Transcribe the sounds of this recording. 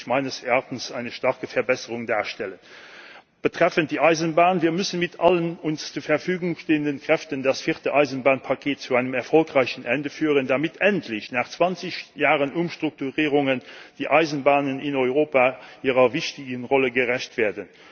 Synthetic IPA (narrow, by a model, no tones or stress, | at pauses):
maɪnəsaʁtn̩saɪnəʃtɑʁkəfɛɐbɛsəʁʊŋdaːʁʃtɛlən | b̥ətʁ̥ɛfənt̚d̥iːʔaɪzənbaːnviːɐmʉsənmɪtʰʔalənʊnst͡suːɐfɛɐʁfyːɡʊŋʃteːəndənkʁ̥ɛftəndasfiːʁtəʔaɪzənbaːnpʰakʰeːt̚t͡suaɪnəmɛɐʁfɔlkʁaɪɕənʔɛndəfyːʁəndamitʰɛntʰlɪɕnaːχt͡sv̥ɑnt͡sɪɕjaːʁənʔumʃtʁ̥uk̚tuʁiːʁʊŋənd̥iːʔaɪzənbaːnənɪnɔʏʁoːpaʔiːʁɐvɪɕtɪɡənʁɔləɡəʁɛɕtv̥ɛːɐdən